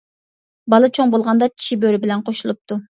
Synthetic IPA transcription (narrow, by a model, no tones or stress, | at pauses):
bɑlˠɨt͡ʃʰoŋbolˠʁɑnd̪ɑt͡ʃʰi̥ʃibøɾɪbɪlɛnqʰoʃulˠup̚t̪u